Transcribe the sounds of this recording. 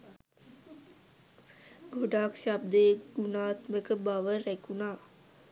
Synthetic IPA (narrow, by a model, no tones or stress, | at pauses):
ɡoɖaːkʃab̚d̪əɡ̥unaːt̪məkəbaʋəɾækunaː